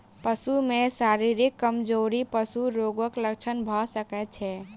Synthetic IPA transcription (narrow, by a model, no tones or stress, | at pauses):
pəsumesaɾiɾikːəmd͡ʒoɾipəsuɾoɡəklək̚t͡ʃʰənbʱɔsəkɛt̪̚t͡ʃʰɛ